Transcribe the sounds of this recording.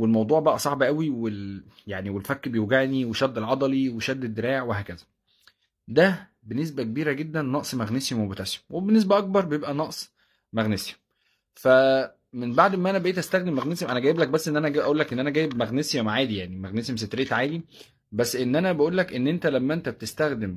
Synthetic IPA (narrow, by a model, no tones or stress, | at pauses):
welmɑwd̪ˤuːʕbæʔæsˤɑʕbʔæwiweljaʕniwelfækːbejuɡæʕniweʃæd̪ːelʕɑd̪ˤɑliweʃæd̪ːed̪ːeɾæːʔeʕweɦæːkæzæ | d̪æ | benːes̬bækebiːɾæɡed̪ːænːɑʔsˤmæɣnesimwebet̪æse̥mwebenːes̬bæʔɑk̚bɑɾˤbejebʔænɑʔsˤ | mæɣnes | fæ | menbaʕd̪ʔemæænæbeʔeːt̪ʔæst̪æxd̪emːæɣnesemʔænæɡæjeblæk̚bæsːʔenːʔænæʔɡæbʔæʔuːlːækʔenːʔænæɡæːjːebmæɣnesimaʕaːd̪ijaʕnimæɣnesemset̪ɾeːt̪ʕaːd̪i | bæsːʔenːʔænæbæʔuːlːækʔenːʔent̪ælæmːæʔent̪æb̚t̪est̪æxd̪em